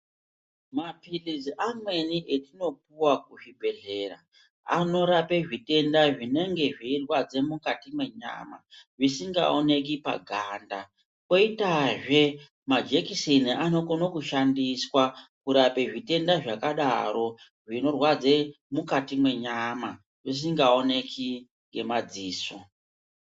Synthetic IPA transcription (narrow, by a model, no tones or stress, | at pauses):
mapiliziʔamwe̞niʔe̞tino̞p̚uwak̚uʐibʱe̞ɮe̞ra̰ | a̰no̞ɾape̞ʐite̞ndaʐine̞ŋɡe̞ʐirwad͡ze̞mukatimwe̞ɲa̰ːma̰ʐisiŋɡa̰one̞k̬ipa̰ɡʱaːnda | ko̞itaʐe̞ | mad͡ʒekisiniano̞konokuʃandiswakuɾape̞ʐite̞ndaʐakaɗa̰ɾo̞ | ʐino̞rwad͡ze | mukatimwe̞ɲama | ʐis̬iŋɡao̞ne̞kʰi | ŋɡe̞mad͡ziːso